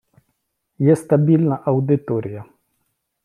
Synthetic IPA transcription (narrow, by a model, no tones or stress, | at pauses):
jɛst̪abilnaʔawd̪it̪oɾija